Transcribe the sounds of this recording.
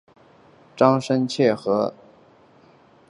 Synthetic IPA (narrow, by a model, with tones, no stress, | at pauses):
ʈ͡ʂɑ˥ŋʂə˥nt͡ɕʰjɛ˥˩xɤ˧˥